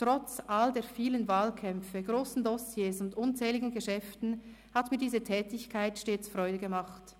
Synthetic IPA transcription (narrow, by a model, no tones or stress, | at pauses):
tʁɔt͡sʔaldeːfiːlənvaːlkʰɛmfəɡ̥ʁoːsn̩dɔsjeːsʊndʔʊnt͡sɛːlɪɡn̩ɡəʃɛftn̩ | hatmiːɐdiːzətʰɛːtɪçkʰaɪtʃteːt͡sfʁɔʏdəɡəmaχt